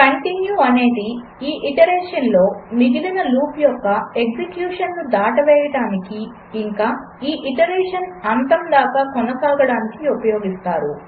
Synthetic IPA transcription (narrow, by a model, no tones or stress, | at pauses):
kɐɳʈinjuːɐne̞ːd̪i | iːʔiʈɐɾɛːʂɐnlo̞ːmiɡid̪inɐluːpjɔkːɐe̞ɡd͡ʒekjuːʂɐnlud̪aːʈɐʋɛːjɐɽaːnikiː | ŋkaː | iːʔiʈɐɾeːʂɐnɐnt̪ɐmd̪aːkaːkɔnɐsaːɡɐɽaːnikiupɐjo̞ːɡist̪aːɾu